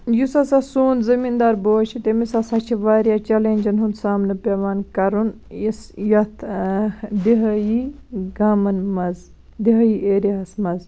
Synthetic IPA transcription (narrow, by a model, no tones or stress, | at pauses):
jusɐsɐsuːnzɐmiːnd̪aːɾboːt͡ʃʰit̪emisɐsɐt͡ʃʰiʋaːɾjat͡ʃɐleːnʲd͡ʒɐnɦund̪saːmnɨpʲeʋaːnkɐɾun | isjɐt̪ʰ | d̪iɦɐjiɡaːmɐnmɐz | d̪iɦɐjieːɾaɦɐsmɐz